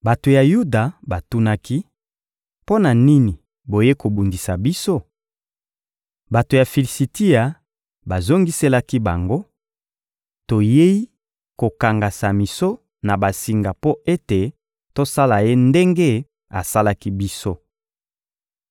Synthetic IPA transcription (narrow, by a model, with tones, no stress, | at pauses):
ba˨to˨ja˨ju˦da˨ba˨tu˦na˦ki˦ | po˦na˨ni˦ni˨ | bo˨je˦ko˨bu˨ndi˨sa˨bi˦so˦ | ba˨to˨ja˨fi˨li˨si˨ti˦a˨ | ba˨zo˦ŋɡi˦se˦la˦ki˦ba˨ŋɡo˦ | to˨je˦i˦ | ko˨ka˨ŋɡa˨sa˨mi˨so˦ | na˨ba˨si˨ŋɡa˨po˦e˦te˨ | to˦sa˦la˨je˦nde˦ŋɡe˦ | a̰˨sa˦la˦ki˦bi˦so˦